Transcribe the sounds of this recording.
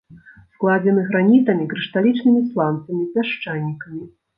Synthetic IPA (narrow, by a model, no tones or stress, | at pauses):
sklˠad͡zʲɛmɨɣɾanʲit̪ɐmʲikɾɨʂt̪alʲit͡ʂnɨmʲislˠant̪sɐmʲipʲaʂt͡ʂanʲːikɐmʲi